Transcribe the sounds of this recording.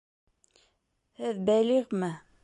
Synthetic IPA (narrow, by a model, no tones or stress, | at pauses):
hɘðbæliʁmɘ